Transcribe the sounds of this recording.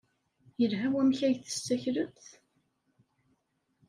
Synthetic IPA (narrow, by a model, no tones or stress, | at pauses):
jəlɦæwæmçæjθə̥st͡sːæçɾəθ